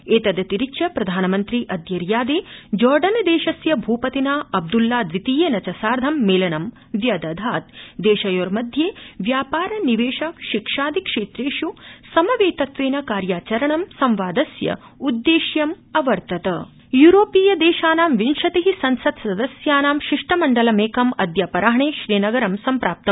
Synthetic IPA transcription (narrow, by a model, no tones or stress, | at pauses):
eːt̪ɐd̪ɐt̪iɾit͡ʃʃɐpɾɐd̪ʱaːnɐmɐnt̪ɾiʔɐd̪jɐɾjaːd̪eːd͡ʒɔːɾɖɐnɐd̪eːʃɐsjɐbʱuːpɐt̪inaːɐb̚d̪ulːaːd̪ʋit̪ijeːnɐt͡ʃɐsaːɾd̪ʱɐmːeːlɐɳɐm | ʋjɐd̪ɐd̪ʱaːt̪̚d̪eːʃɐjoːɾmɐd̪ʱjeːʋjaːpaːɾɐniʋeːʃɐʃikʂaːd̪ʱikʂeːt̪ɾeːʂusɐmɐʋeːt̪ɐt̪ʋeːnɐkaːɾjaːt͡ʃɐɾɐɳɐmsɐmʋaːd̪ɐsjɐ̰ud̪ːeːʃjɐm | ɐʋɐɾt̪ɐt̪ɐ | juːɾoːpiːjɐd̪eːʃaːnaːmʋinʃɐt̪iɦisɐnsɐd̪sɐd̪ɐsjaːnaːmʃiʂʈɐmɐɳɖɐlɐmeːkɐmɐd̪jaːpɐɾaːɦɐɳeːʃɾiːnɐɡɐɾɐmsɐmpɾaːp̚t̪ɐm